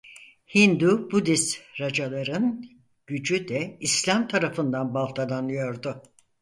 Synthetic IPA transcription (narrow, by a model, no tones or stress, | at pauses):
hind̪ubud̪isɾad͡ʒalˠaɾɯn | ɟ̥yd͡ʒyd̪ɛislʲamt̪ʰaɾafɯnd̪anbalˠt̪ʰad̪anɯjo̞ɾd̪ʊ